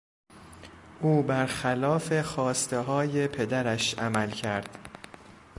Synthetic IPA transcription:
ʔuːbæɾxælɒːfe̞xɒːst̪e̞ɦɒːje̞pʰe̞d̪æɾæʃʔæmælcʰæɾd̪̥

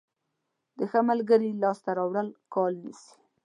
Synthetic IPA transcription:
d̪əxəmalɡəɾilɑst̪aɾɑwɽəlkɑlnisi̥

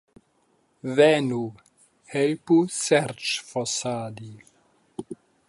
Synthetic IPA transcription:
vɛnu | hɛlpusɛɾt͡ʃfɔsaːd̪i

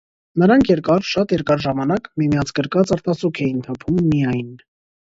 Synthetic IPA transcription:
nəɾɑŋkʰjɛɾkɑɾʃɑt̪jɛɾkɑɾʒɑmɑnɑkmimjɑt͡sʰɡəɾkɑt͡səɾt̪ɑsukʰɛjinp̪ʰɔpʰumːijɑjn

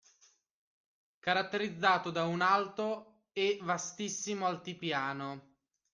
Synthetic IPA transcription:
kaɾat̪ːeɾid̪zːaːt̪od̪aunalt̪o | evast̪isːimoalt̪ipjaːno

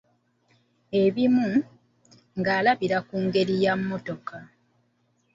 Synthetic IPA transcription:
e̞βimu | ŋɡaːlaβiɾakuːŋɡe̞ɾijamːo̞to̞ka

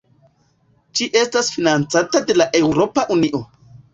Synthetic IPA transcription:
ʃiʔe̞stasfinant͡satade̞laʔe̞wɾo̞paʔuniʔo̞

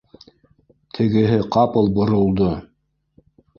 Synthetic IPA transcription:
t̪ʰɘ̆ɡɘ̆ɦɘqɑpɤ̆lˠbŏɾŏlˠd̪o

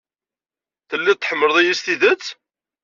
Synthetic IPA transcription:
θəlːit̪ːħəmːəɾəðˤijist̪iðət͡sː

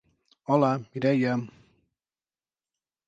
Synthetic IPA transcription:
ɔlamiɾɛjam

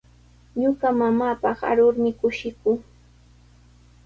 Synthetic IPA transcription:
ɲʊɢamamaːpɑχa̰ɾʊɾmɪkʊʃɪkʊŋ

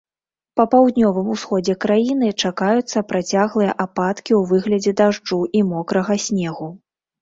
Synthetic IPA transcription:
pɐpawd̪nʲɔvɨmusxɔd͡zʲɛkɾajin̪ɨt͡ʂakajut̪sːɐpɾat͡sʲaɣlˠɨjɐʔapat̪kʲiuvɨɣlʲɐd͡zʲɛd̪aʐd͡ʐuʔimɔkɾɐɣɐsʲnʲɛɣu

